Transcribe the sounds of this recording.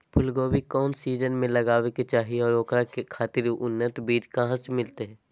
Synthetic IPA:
pʰʊlɡoːbikɔːnsiːd͡ʒənmẽlɐɡaːʋeket͡ʃaːɦiɔːɾoːkɾakekʰaːt̪ɪɾʊnːət̪biːd̪kaɦãsemɪlt̪eɦɛ̃ː

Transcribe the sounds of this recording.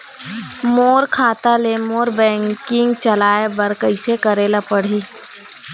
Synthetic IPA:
moːɾkʰaːt̪alemoːɾbɛ̃ːŋkɪ̃ŋɡt͡ʃɐlaːebɐɾkəɪsekɐɾeːlapɐɽ̤iː

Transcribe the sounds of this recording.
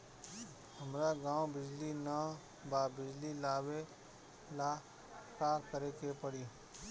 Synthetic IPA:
həmɾaɡãːwbɪd͡ʒlina | baːbɪd͡ʒlilaːwe | la | kaːkəɾekepəɽi

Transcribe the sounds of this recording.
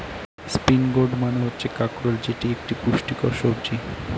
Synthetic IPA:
spinɡoɖmaneɦotːɕʰekakɾold͡ʑeʈiek̚ʈipuʃʈikɔɾʃobd͡ʑi

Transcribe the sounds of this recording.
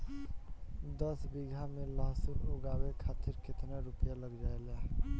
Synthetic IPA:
d̪əsbiɡʱameləɦsuoɡabekʰat̪iɾket̪naɾupjaləɡd͡ʒaela

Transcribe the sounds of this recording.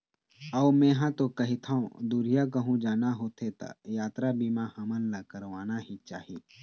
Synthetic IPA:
əːmɛ̃ːɦãt̪okɐɦɪt̪ʰaõd̪uːɾijakəɦũd͡ʒaːnaɦoːt̪ʰet̪a̰jaːt̪ɾabimãhɐmənləkəɾʋaːnaɦit͡ʃaːɦiː

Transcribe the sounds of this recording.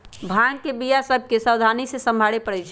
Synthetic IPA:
bʱaŋkebijasəb̚ʱkesəwd̪ʱanisesə̃mbʱaɽepəɽɛt͡ʃʰɛ

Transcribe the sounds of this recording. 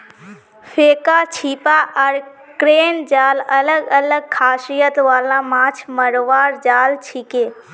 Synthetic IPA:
fʰeːkat͡ʃʰipaʔəɾ | kɾeːnd͡ʒaːlələɡələɡ̚kʰaːʃijət̪ʋaːlãmãːt͡ʃʰməɽʋaːɾd͡ʒaːlt͡ʃʰikeː

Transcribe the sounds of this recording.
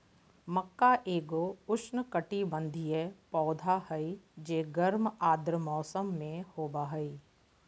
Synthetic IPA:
məkːaʔeːɡoʊʃnkəʈibə̃nd̪ʱijɛpɔːd̪ʱaɦəid͡ʒeːɡəɾmaːd̪ɾəmɔːsəmːẽhoːbaːɦəi

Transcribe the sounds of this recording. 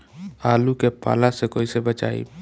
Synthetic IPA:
aːlukepa̰ːlasekoːisebət͡ʃa̰ːḭ

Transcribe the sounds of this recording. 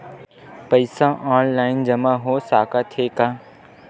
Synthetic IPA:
pɐɪsãʔãːnlaːɪnd͡ʒɐmãɦoːsaːkat̪ʰeːkaː

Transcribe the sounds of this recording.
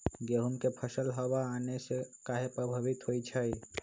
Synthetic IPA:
ɡeɦumkepʰəsəlɦəbaːnesekaɦepɾəbʱəbit̪ɦojt͡ʃʰəj

